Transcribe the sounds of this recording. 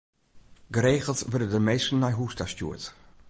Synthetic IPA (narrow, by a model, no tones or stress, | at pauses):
ɡəɾeːχəlˠsvødədəmeːstn̩ːajɦuːstastṵət